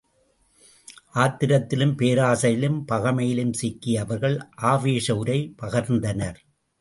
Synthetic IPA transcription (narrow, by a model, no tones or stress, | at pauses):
ʔaːt̪ɪɾɐt̪ːɪlɯmpeːɾaːsɐjɪlɯmpɐɣɐmɐjɪlɯmsɪkːɪjɐʋɐɾɣɐɭʔaːʋeːʂɐʊɾɐɪpɐɣɐɾnd̪ɐnɐɾ